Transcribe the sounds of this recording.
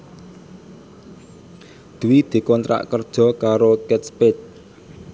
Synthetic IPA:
d̪̥uwid̪̥i̤kɔnt̪ɾa̰ʔkərd̥ʒ̥ɔ̤kaɾokɛt̪̚spet̚

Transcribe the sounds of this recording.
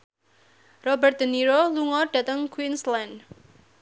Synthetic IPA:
rɔbərt̪̚d̪̥əniɾoluŋɔɖ̥a̤t̪əŋkwinsland

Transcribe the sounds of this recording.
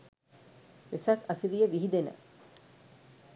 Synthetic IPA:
ʋesɐkɐsiɾijeʋiɦid̪enə̰

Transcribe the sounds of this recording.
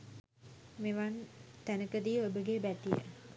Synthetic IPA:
meʋant̪ænəkəd̪iəobəɡebæt̪ijə̰

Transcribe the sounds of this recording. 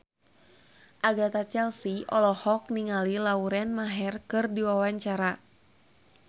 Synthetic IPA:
ʔaɡat̪at͡ʃɛlsiɔlɔhɔk̚niŋalilauɾɛnmaɦɛrkɨrdiwawaɲt͡ʃaɾa

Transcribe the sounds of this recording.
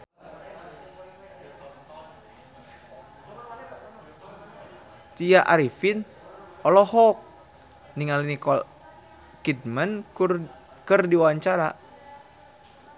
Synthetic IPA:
t̪ijaʔa̰ɾifin | ɔlɔhɔk̚ | niŋalinikɔ | kid̪̚mən | kɨrdiwaɲt͡ʃaɾa̰

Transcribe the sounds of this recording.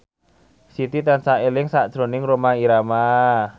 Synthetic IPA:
sit̪it̪ansaelɪŋsaʔd̥ʒ̥ɾo̤nɪŋɾomaiɾama

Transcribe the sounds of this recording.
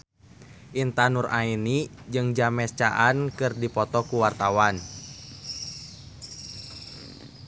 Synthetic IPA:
ʔint̪anurainid͡ʒɨŋd͡ʒamɛst͡ʃaʔankɨrdipɔt̪ɔkuwart̪awan

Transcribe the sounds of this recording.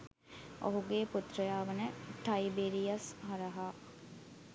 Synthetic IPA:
o̰ɦuɡeːput̪ɾəjaːʋənəʈɐibeɾijasɦaɾəɦa

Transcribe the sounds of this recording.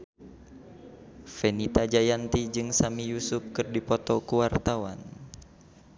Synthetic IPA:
fɛnit̪ad͡ʒajant̪id͡ʒɨŋsamijusup̚kɨrdipɔt̪ɔkuwart̪awa̰n

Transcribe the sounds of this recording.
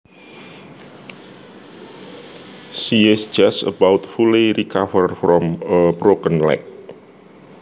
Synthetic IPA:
siɛsd͡ʒasə̰bawt̪̚fuleɾikafərfɾɔməbɾokənlɛ̰k̚

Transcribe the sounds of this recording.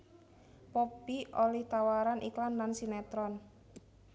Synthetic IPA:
popiʔolɛht̪awaɾanʔiklanlansinɛt̪ɾɔn

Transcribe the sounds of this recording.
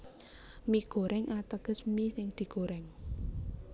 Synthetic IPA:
miɡ̥o̤ɾʔɛŋʔat̪əɡ̥ə̤smisɪŋd̪̥i̤ɡ̥o̤ɾɛŋ

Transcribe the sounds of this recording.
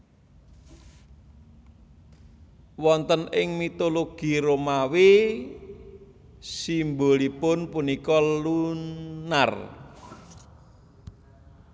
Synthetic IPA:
wɔnt̪ənɪŋmit̪oloɡ̥i̤ɾomawi | simbolipʊnpunikɔluna̰r

